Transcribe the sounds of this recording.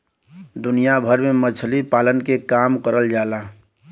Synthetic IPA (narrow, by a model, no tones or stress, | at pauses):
d̪ʊnijabʱəɾmemət͡ʃʰlipaːlənkekaːmkəɾəld͡ʒaːlaː